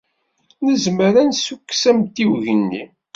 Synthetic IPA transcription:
nəzməɾænsukːsæmt̪iwʝənːi

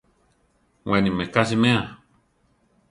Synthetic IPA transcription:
wɛnĩmɛ̃kas̬imɛ̃ã

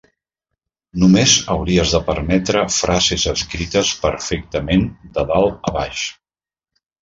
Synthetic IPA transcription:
numezəwɾiəzðəpəɾmɛt̪ɾəfɾazezəskɾit̪əspəɾfɛk̚t̪əmend̪əðalˠəβaʃ

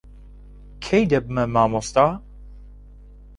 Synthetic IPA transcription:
kʰejd̪ɛbmɛmaːmost̪a

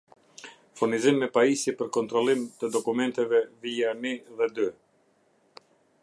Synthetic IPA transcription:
funizimːɛpaisipəɾkɔnt̪ɾɔlˠimt̪əd̪ɔkumɛnt̪ɛvɛvianiðɛd̪y

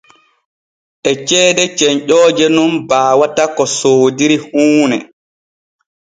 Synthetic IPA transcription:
ʔɛt͡ʃɛːdɛt͡ʃɛɲʔɔːd͡ʒɛnunbaːwatakɔsoːdiɾihuːnɛ

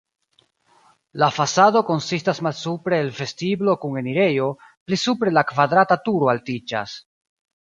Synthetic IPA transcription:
lafasado̞ko̞nsistasmalsupɾe̞ːlfe̞stiblo̞kuŋe̞niɾe̞jo̞ | plisupɾe̞lakvad̪ɾatatuɾoaltit͡ʃa̰s

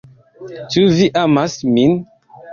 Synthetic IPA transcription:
t͡ʃuviʔamasmin

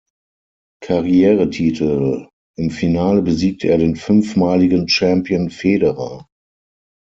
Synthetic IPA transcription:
kʰaʁijɛːʁətʰiːtʰl̩ | ʔɪmfinaːləbəziːk̚tʰəʔeːɐɾeːnfʏnfmaːlɪɡənt͡ʃɛmpiənfeːdəʁa̰ː

